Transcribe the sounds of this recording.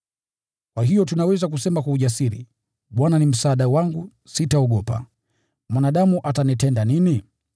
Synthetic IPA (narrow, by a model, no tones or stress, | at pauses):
kwaɦijɔtunawɛzak̬usɛmakwauʄasiɾḭ | ɓwananim̩saːɗawaŋɡu | sitaɔɠɔpa̰ | mwanaɗamuʔatanitɛndanini